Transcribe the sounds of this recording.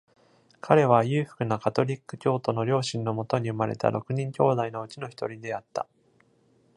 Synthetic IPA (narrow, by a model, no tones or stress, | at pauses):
kʰaɾe̞β̞ajɯ̟ːɸɯ̥kɯ̟nakat̪o̞ɾʲikːɯ̟̥kʲo̞ːt̪o̞no̞ɾʲo̞ːɕĩnːo̞mo̞t̪o̞ɲ̟iɯ̟maɾe̞̰t̪a̰ɾo̞kɯ̟ɲ̟ĩŋkʲo̞ːd̪aino̞ɯ̟t͡ɕino̞çi̥t̪oɾʲid̪e̞at̪ːa̰